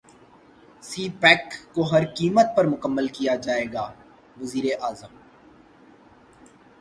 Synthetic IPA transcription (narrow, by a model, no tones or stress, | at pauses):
siːpɛːkːoɦɐɾkiːmət̪̚pɐɾmʊkəmːəlkijad͡ʒaːeːɡaː | ʋɐziːɾeʔaːzəm